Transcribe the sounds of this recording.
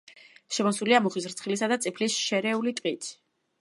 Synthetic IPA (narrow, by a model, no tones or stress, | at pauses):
ʃɛmɔsuliamuχisɾt̪sʰχilisad̪at̪sʼipʰlisʃɛɾɛulit̪ʼqʼit̪ʰi̥